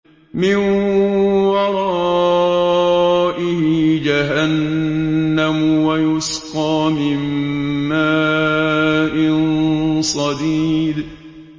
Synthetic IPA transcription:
mɪn | wɑɾˤɑ | ʔɪhɪd͡ʒaɦanː | amwajʊsqɑːmɪmː | aː | ʔɪnsˤɑd̪iːd

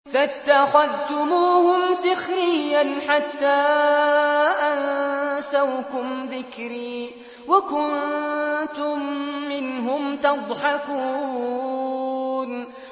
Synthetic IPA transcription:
fat̪ːaxaðt̪ʊmuːhʊmsɪxɾɪjːanħat̪ːaː | ʔansawkʊmðɪkɾiː | wakʊn | t̪ʊmːɪnɦʊmt̪ɑd̪ˤħɑkuː | n

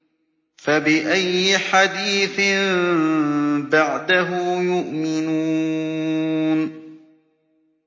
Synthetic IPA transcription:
fabɪʔajːɪħad̪iːθɪm | baʕd̪aɦʊːjʊʔmɪnuː | n

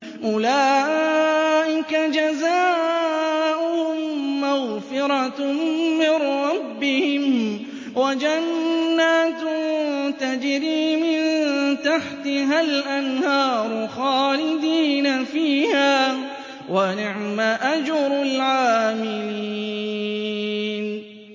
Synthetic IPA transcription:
ʔʊlaːʔ | ʔɪkad͡ʒazaː | ʔʊhʊmmːaɣfɪɾˤɑ | mɪnɾɑbːɪhɪm | wad͡ʒanːaːt̪ | t̪ad͡ʒɪɾiːmɪnt̪aħt̪ɪɦalʔanhɑːɾˤʊxɑːlɪd̪iːnafiːhaː | wanɪʕmaʔad͡ʒʊɾˤlʕaːmɪlli | n

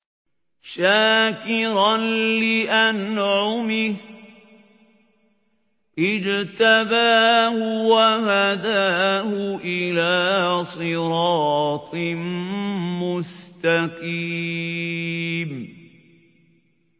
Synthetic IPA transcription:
ʃaːkɪɾanlɪʔanʕʊmɪh | ʔɪd͡ʒt̪abaːhʊwahad̪aːhʊʔɪlaːsˤɨɾɑːt̪ˤmmʊst̪aqiː | m

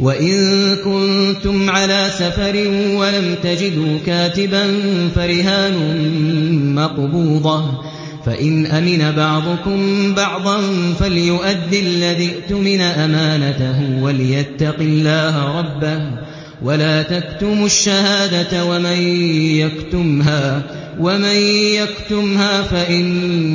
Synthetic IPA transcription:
waʔɪnkʊnt̪ʊmʕalaːsafɑɾɪnwalamt̪ad͡ʒɪd̪uːkaːt̪ɪbanfaɾɪɦaːnʊ | mɑqbuːd̪ˤɑ | fa̰ʔɪnʔamɪnabɑʕd̪ˤʊkʊmbɑʕd̪ˤɑnfalɪjʊʔad̪ːɪlːaðiʔt̪ʊmɪnaʔamaːnat̪aɦʊwalɪjat̪ːɑqɪlːaːɦaɾˤɑbːah | walaːt̪akt̪ʊmʊʃːahaːd̪at̪wamanjakt̪ʊmɦaː | wamanjakt̪ʊmhaːfaʔɪn

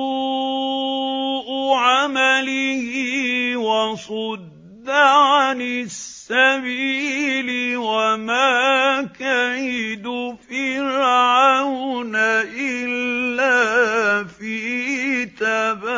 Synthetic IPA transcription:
ʔʊʕamalɪhɪwasˤʊd̪ː | aʕanɪssːabiːlɪwamaːkaɪd̪ʊfiːɾɑʕawnaʔɪlːaːfiːt̪aba

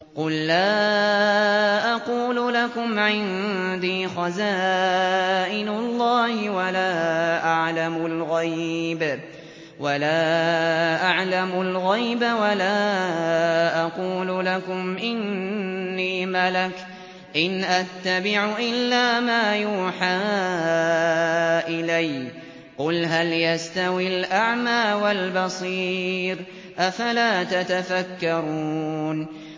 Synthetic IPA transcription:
qʊlːaː | ʔɑquːlʊlakʊmʕɪnd̪iːxazaː | ʔɪnʊlˤːɑːhɪwalaːʔaʕlamʊlɣajjb | walaː | ʔaʕlamʊlɣajbawalaː | ʔɑquːlʊlakʊmʔɪnː | iːmalak | ʔɪnʔat̪ːabɪʕʊʔɪlːaːmaːjuːħaː | ʔɪlaj | qʊlɦaljast̪awilʔaʕmaːwalbɑsˤiːɾ | ʔafalaːt̪at̪afakːɑɾun

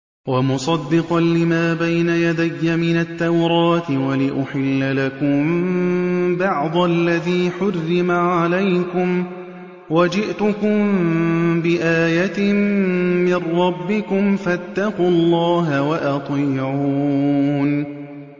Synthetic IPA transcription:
wamʊsˤɑd̪ːɪqɑnlɪmaːbajnajad̪ajːamɪnat̪ːawɾɑːt̪ɪwalɪʔʊħɪlːalakʊm | bɑʕd̪ˤɑlːaðiːħʊrːɪmaʕalajkʊm | wad͡ʒɪʔt̪ʊkʊm | bɪʔaːjat̪ɪː | ɪrˤːɑbːɪkʊmfat̪ːɑqʊlˤːɑːɦawaʔɑt̪ˤiːʕuːn

